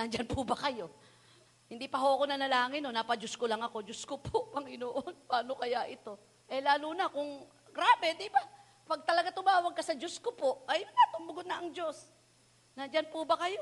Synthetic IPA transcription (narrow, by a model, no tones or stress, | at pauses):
nɐnd͡ʒanpʊbɐkɐjo̞ | hɪnd̪ipɐɦoʔɐko̞nɐnɐlaːŋɪnonapɐd͡ʒoskolɐŋɐko̞d͡ʒoskopoʔpɐŋɪnoʔonpaːnokɐjaʔɪt̪o̞ | ʔɛlaːlunɐkʊŋ | ɡɾaːbɛd̪iba | pɐɡ̚t̪ɐlɐɡat̪ʊmaːwɐɡ̚kːɐsɐd͡ʒoskopoʔʔɐjʊnat̪ʊmbʊɡʊd̪̚nɐʔɐŋd͡ʒo̞s | nɐnd͡ʒanpʊbɐkɐjo